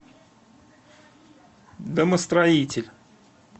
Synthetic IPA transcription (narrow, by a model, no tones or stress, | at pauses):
d̪əməst̪ɾɐitʲɪlʲ